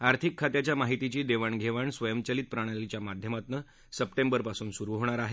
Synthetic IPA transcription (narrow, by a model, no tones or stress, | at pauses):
aɾt̪ʰikʰːat̪jat͡ɕjamaɦit̪it͡ɕiːd̪eʋaɳɡʱeʋaɳsʋəjəmt͡ɕəliːt̪̚pɾaɽ̃alit͡ɕjamad̪ʱjəmat̪nə | səp̚ʈembəɾpasuːnsuɾuɦoɽ̃aɾaɦe